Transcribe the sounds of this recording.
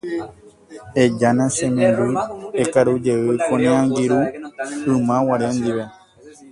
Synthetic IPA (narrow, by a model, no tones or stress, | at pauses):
ed͡ʒanãsẽmẽmbɨekaɾud͡ʒe̞ʋɨkõnẽãŋɡiɾuɨmãwaɾend̪iʋe